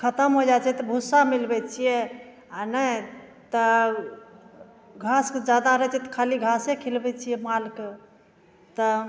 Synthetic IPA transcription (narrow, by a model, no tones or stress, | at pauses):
kʰət̪əmɦod͡ʒat͡ʃʰɛt̪ɔbʱusːamilbɛt͡ʃʰijɛ | anə | t̪ə | ɡʱaskd͡ʒad̪aɾəɦɛt͡ʃʰɛt̪ɔ̥kʰaliɡʱasekʰilbɛt͡ʃʰijɛmalke | t̪ɔ